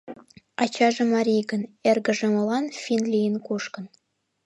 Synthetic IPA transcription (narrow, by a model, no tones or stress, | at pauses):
ɑt͡ɕɑʒɤ̆mɑɾʲijɡə̆nerɡə̆ʒĕmŏlˠɑnfʲinlʲijənkuʃkə̆n